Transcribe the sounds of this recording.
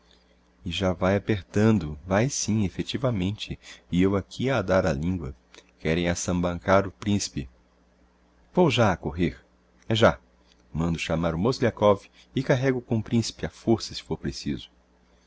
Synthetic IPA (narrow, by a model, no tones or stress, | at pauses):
ɪʒavajapeɾt̪ɐ̃nd̪ʊvajsĩefet͡ʃivɐmẽnt͡ʃɪɪewakʰiad̪aɾalĩŋɡwɐ̰ | kɛɾẽj̃asɐ̃mbɐ̃ŋkaɾʊpɾĩsi̥pɪ | vowʒaakoɦeɾ | ɛʒa | mɐ̃nd̪ʊʃamaɾʊmoslakɔvi | ɪkaɦɛɡʊkõpɾĩsi̥pɪafoɾsɐsɪ̥foɾpɾesizʊ̥